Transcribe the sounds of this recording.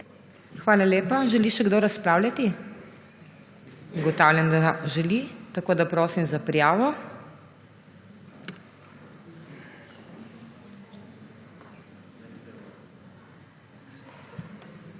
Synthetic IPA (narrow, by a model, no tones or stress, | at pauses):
xʋaːlaleːpaʒɛliʃɛɡd̪oɾaspɾaːwlʲjat̪i | uɡɔt̪aːwlʲjand̪aʒɛlit̪akoːd̪apɾoːsimzapɾijaːʋɔ